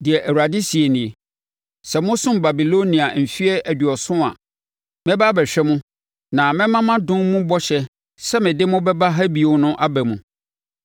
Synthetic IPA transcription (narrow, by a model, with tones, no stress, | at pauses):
dɪ˨ɛ˨ʔæ˨wu˨ɾa˨dɪ˦si˨e˨nĩ˨e˨ | sɛ˨mʊ̃˦sʊ̃˦mba˨bi˨lo˦nĩ˨a˨m̩˨fi˦ɛ˦ʔæ˨dɥɔ˨sʊ̃˦a̰˨ | mɛ̃˦ba˦bɛ˨ɕᶣɛ˦mʊ̃˦ | nã˨mɪ̃˦mã˦mã˦dʊ̃˦nmũ˦bɔ˦ɕɛ˦ | sɛ˦mɪ̃˨dɪ˦mʊ̃˦bɛ˦ba˦ɦa˦bi˨o˨˦nʊ̃˦ʔa˦bæ˨mũ˨